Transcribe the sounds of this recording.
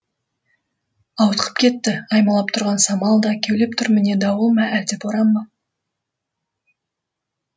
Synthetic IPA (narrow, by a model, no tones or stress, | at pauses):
ɑwt̪əqʰə̥p̚kʲʰe̞t̪ːɪɑjmɑlˠɑp̚t̪ʰʊɾʁɑnsɑmɑlˠd̪ɑkʲʰewlep̚t̪ʰʏɾmɪne̞d̪ɑwəlˠmɑʔælt̪ɪpoɾɑmːɑ